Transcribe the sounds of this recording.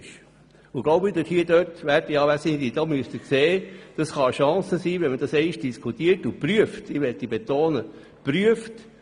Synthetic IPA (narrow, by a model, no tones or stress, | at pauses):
ʃ | ʊɡloʊbɪd̪əthiədøtʋæɾdijɑːʋæːsɪnd̪id̥ɑːmyəst̪əkseːd̥ɑsχɑʃɑ̃ːsəsiːʋɛnməd̥ɑsɛɪʃd̥iskʰutiːəɾtupɾyəftɪʋɛt̪ːibet̪oːnə | pɾyəft